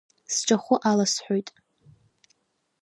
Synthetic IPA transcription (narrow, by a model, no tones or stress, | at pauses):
sʈ͡ʂʼaχʷʊʔalasħʷojtʼ